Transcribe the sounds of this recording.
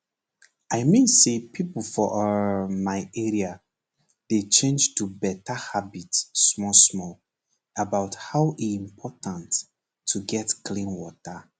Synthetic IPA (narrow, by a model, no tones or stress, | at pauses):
aɪmĩnsepʰipəl̩fɔʔmaɪɛɹia | d̥et͡ʃẽnd͡ʒtubɛtəhabitsːmɔsmɔl | əbaʊthaʊʔiĩmpʰɔtə̃ntʰː | uɡɛtkʰlĩnwɔtə